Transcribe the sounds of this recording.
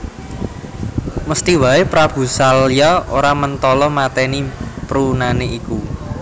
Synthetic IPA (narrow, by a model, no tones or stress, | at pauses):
məst̪iwaepɾab̥ṳsaljɔoɾamənt̪ɔlɔmat̪ɛnipɾunaneʔiku